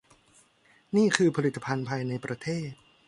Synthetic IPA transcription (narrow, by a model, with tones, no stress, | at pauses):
niː˥˩kʰɯː˧pʰa˧li˨˩t̪ːa˧pʰa˧npʰaː˧jna˧jpɾa˧t̪ʰeː˥˩t̪̚